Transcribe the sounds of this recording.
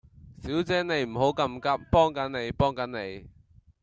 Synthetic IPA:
siː˨˥wt͡sɛː˨˥ne˨˧jm̩˨˩ɦo˨˥wkɐ˧mkɐ˥p̚pɔː˥ŋkɐ˨˥nne˨˧jpɔː˥ŋkɐ˨˥nne˨˧j

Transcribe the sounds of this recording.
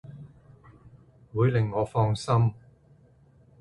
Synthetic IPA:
wuː˨˧jlɪ˨˩ŋːɔː˨˧fɔː˧ŋsɐ˥m

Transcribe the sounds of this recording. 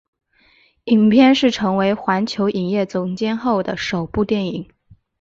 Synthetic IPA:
i˨˩ŋpʰjɛ˥˧nʂɻ̩˥˩ʈ͡ʂʰɤ˧˥ŋwe˧˥ɪxwa˧˥nt͡ɕʰjo˧˥ʊʔi˨˩ŋjɛ˥˩t͡sʊ˧˥ŋt͡ɕjɛ˥nxo˥˩ʊd̪ə˩ʂo˨˩ʊpu˥˧t̪jɛ˥˩ni˨˩˦ŋ

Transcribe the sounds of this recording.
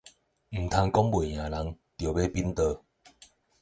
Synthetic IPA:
m̩˨˩t̪ʰa˧ŋkɔ˦ŋbwe˨˩˨j̃ã˨˩la˨˦ŋ | t̪jo˨˩be˦pi˦nt̪ə˧

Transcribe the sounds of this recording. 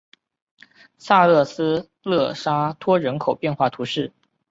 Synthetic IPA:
sa˥˧lɤ˥˩sɹ̩˥ | lɤ˥˩ʂa˥t̪ʰwɔ˥ɻə˧˥nkʰo˨˩ʊpjɛ˥˧nxwa˥˩t̪ʰu˧˥ʂɻ̩˥˩

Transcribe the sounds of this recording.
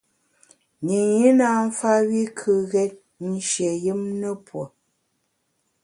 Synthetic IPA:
ni˨ji˦na˦m̩˦fa˦wi˦kʰɨ˨ɣɛ˦t̚ | n̩˦ʃjɛ˨ji˦mnə˦pwo˨

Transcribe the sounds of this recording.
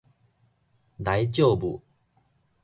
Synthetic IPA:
d̪a˨˦jt͡ɕjo˥˨bṵ˨

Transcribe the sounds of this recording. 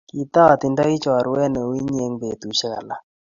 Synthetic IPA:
ki˨t̪a˦˨t̪i˨nda˦i˦t͡ʃɔ˨ɾwɛ˦nɛ˨wi˦ɲe˨˦ŋbe˨t̪u˨ʃa˦˨la˨

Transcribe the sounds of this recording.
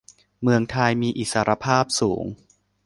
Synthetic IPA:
mɯ˧əŋt̪ʰa˧jmiː˧ʔi˨˩saː˧ɾa˧pʰaː˥˩p̚suː˩˦ŋ

